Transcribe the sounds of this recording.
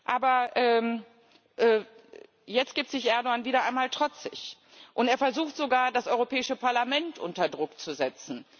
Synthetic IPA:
ʔaːbɐʔɛː | ʔɛː | jɛt͡stɡ̥iːp̚tz̥ɪçʔɛɐdoaːnviːɾɐʔaɪnmaːltʁ̥ɔt͡sɪç | ʔʊnteːɐfɛɐzuːxtz̥oɡaːɐdasʔɔʏʁopʰɛːɪʃəpaɐlamɛntʔʊntɐdʁʊkt͡suzɛt͡sn̩

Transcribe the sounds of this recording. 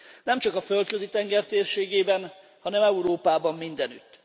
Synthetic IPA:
nɛmt͡ʃɒkɒfølt̪køzit̪ɛŋɡɛrt̪eːrʃeːɡeːbɛn | hɒnɛmɛuɾoːpaːbɒmːind̪ɛnyt̪ː

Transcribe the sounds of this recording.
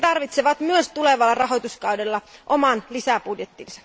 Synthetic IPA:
t̪ɑrʋit̪seʋɑt̪myøst̪uleʋɑlːɑrɑɦo̞jt̪uskɑwdelːɑʔomɑnlisæpudjet̪ːinsɑ̥

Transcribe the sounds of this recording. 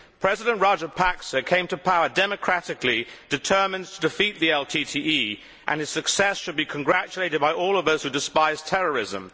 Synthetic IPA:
pʰɹ̥ɛzɪɾə̃nʔɹɑd͡ʒə˞pʰæksəkʰẽɪ̃mtʰəpʰaʊədɛmɨkʰɹ̥æɾɨklid̥ɨtʰɜ˞mɨ̃ntʰədɨfiʔ̪̚ðiɛlˠtʰitʰiʔi | ʔə̰̃nɨz̥sɨksɛsʃɨd̚bikʰnɡɹæt͡ʃəleɪɾɨd̚baɪʔɔlˠʌvðoʊz̥hʉdɨspaɪz̥tʰɛɹəɹɪzə̰̃m

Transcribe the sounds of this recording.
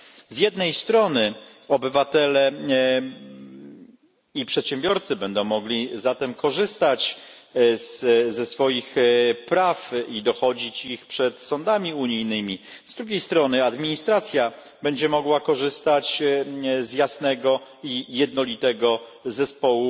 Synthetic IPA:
zjɛd̪nɛjst̪ɾɔnɘɔbɘvat̪ɛlɛ | ipʂɛt̪ɕɛ̃mbʲjɔɾt̪sɘbɛnd̪ɔ̃w̃mɔɡlʲizat̪ɛmkɔʐɘst̪at͡ɕ | zzɛsfɔjixpɾafid̪ɔxɔd͡ʑit͡ɕixpʂɛt̪sɔnd̪amʲiuɲijnɘmʲi | zd̪ɾuɡʲejst̪ɾɔnɘad̪mʲiɲist̪ɾat̪sʲja | bɛɲd͡ʑɛmɔɡwakɔʐɘst̪at͡ɕ | zjasnɛɡɔijɛd̪nɔlʲit̪ɛɡɔzɛspɔwu

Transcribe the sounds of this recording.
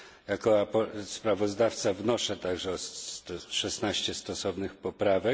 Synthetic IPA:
jakɔapɔspɾavɔzd̪aft̪savnɔʂɛt̪aɡʐɛɔt̪ʂɛsnaɕt͡ɕɛst̪ɔsɔvnɘxpɔpɾavɛ

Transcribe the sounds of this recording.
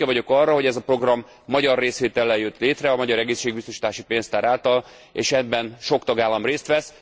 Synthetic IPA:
ɛvɒɟo̞kɒrːɒɦo̞ɟɛzɒpro̞ɡrɒmː | ɒɟɒrːeːsʋeːt̪ɛlːɛjjøt̪leːt̪rɛɒmɒɟɒɾɛɡeːsʃeːɡ̚bist̪o̞ʃi̥t̪aːʃipeːnst̪aːɾaːlt̪ɒl | ḛːʃɛbːɛnʃo̞kt̪ɒɡaːlːɒmreːst̪ʋɛs

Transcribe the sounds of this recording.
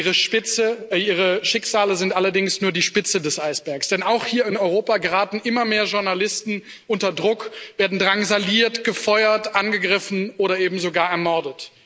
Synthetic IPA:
ʁəʃpɪt͡səʔiːʁ̞əʃɪkz̥aːləzɪntʔalɐdɪŋsnuːɐdiːʃpɪt͡sədɛsʔaɪsb̥ɛɐksd̥ɛnaʊxhiːɐɪnɔʏʁoːpaɡəʁaːtn̩ʔɪmɐmeːɐʒʊɐnalɪstn̩ | ʔʊntɐdʁʊkv̥eːɐdn̩dʁaŋzaliːɐtɡ̥əfɔʏɐtʔanɡəɡʁɪfn̩ʔoːɾɐʔeːbm̩zoɡaːɐɛɐmɔɐdət

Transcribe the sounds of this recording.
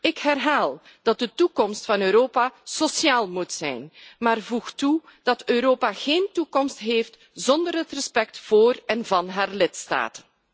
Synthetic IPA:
ɪkɦɛrɦaːlˠ | d̥ɑt̚dətukɔmstfɑnøːɾoːpasosjaːlˠmutsɛ̰jnmaːrvuxtud̥ɑtøːɾoːpaɣeːntukɔmstɦeːft | zɔndərɦətrəspɛk̚tv̥oːrɛnvɑnɦaːrlɪtsta̰ːtən

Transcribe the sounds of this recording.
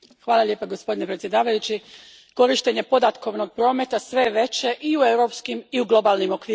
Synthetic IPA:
xʋaːlˠaʎʲe̞ːpaɡo̞spo̞d̪ine̞pɾet̪sje̞d̪aːʋajut͡ɕi | ko̞ɾiʃt̪e̞ɲe̞po̞d̪at̪ko̞ʋno̞ɡ̚pɾo̞ːme̞t̪asʋe̞ʋe̞t͡ɕe̞ʔiuewɾo̞pskimiuɡlˠo̞balˠnimo̞kʋiːɾ

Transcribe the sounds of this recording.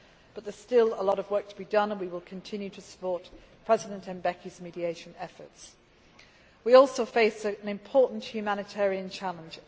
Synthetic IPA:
b̥ʌt̪̚ðə˞z̥stɪlˠəlɔɾʌvwɜˑ˞k̚tʰəbidʌ̃nə̃nwiwɪlˠkʰə̃ntʰɪ̃njʉtʰəsə̥pɔɹt | pʰɹ̥ɛzɪdə̃ntʰɛ̃nbɛkʰizmiɾieɪʃə̃nɛfə̰˞ts | wiɔˑlˠsoʊfeɪsəə̃nɨ̃mpʰɔˑʔn̩ʔhjʉmæñɨtʰɛɹiɨ̃nt͡ʃʰalˠə̃nd͡ʒ

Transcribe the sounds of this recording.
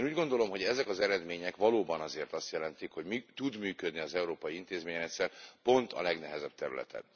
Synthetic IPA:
nuːɟɡo̞nd̪o̞lo̞mɦo̞ɟɛzɛkɒzɛɾɛd̪meːɲɛkʋɒloːbɒnɒzeːrt̪ɒst̪jɛlɛnt̪ikho̞ɟmit̪ud̪myːkød̪niɒzɛuɾoːpɒjiint̪eːzmeːɲɛnɛt̪ʲsɛrpo̞nt̪ʰɒ̰lɛɡnɛɦɛzɛb̚t̪ɛɾy̰lɛ̰t̪ʰɛ̰n

